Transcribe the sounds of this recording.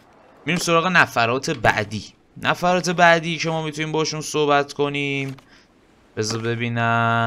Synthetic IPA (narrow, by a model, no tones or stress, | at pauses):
miɾiːmso̞ɾɒːɣe̞næfæɾɒːt̪ʰe̞bæ̰ʔd̪iː | nʔæfæɾɒːt̪ʰe̞bæʔd̪iːcʰe̞mɒːmit̪ʰuniːmbɒheʃunsohbæt̪kʰo̞niːm | b̥ezɔbe̞biːnæ